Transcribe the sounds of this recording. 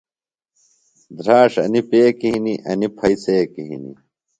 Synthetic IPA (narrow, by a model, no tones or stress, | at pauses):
d̪ɾaːʂɐ̰nipeːkiɦiniʔɐnipʰɐiseːkiɦḭnḭ